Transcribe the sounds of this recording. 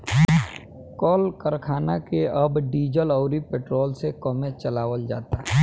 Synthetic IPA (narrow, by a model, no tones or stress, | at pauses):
kɔːlkəɾkʰaːnakeɐbɖiːd͡ʒəlɔʊɾipeːʈɾoːlsekɔmet͡ʃəlaːʋəld͡ʒa̰ːt̪aɛ